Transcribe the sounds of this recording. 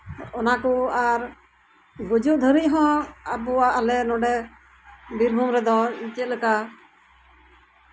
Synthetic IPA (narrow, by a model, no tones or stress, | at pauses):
ɔnakɔaɾ | ɡud͡ʒuʔ̚d̪ʱəɾic̚ˀɦɔ̃abɔaʔːlɛnɔɖɛ | biɾbʱumɾɛd̪ɔɲit͡ʃɛt̪̚ləka